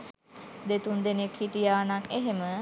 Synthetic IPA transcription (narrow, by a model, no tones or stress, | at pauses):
d̪et̪und̪enekhiʈijaːnakeɦemə